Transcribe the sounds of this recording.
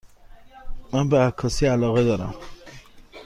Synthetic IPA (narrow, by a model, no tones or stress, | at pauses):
mænbeækʰːɒsiælɒːɣed̪ɒːɾæ̰m